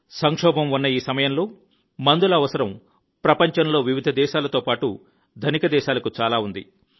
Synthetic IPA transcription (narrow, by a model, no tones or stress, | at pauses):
sɐŋkʂɔːbɐmunːɐiːsɐmɐjɐmlo̞ː | mɐnd̪ulɐːʋɐsɐɾɐm | pɾɐpɐɲt͡ʃɐnlo̞ːʋiʋid̪ʱɐd̪ɛːʃaːlɐt̪oːpaːʈu | d̪ʱɐnikɐd̪ɛːʃaːlɐkut͡ʃaːlaːund̪ḭ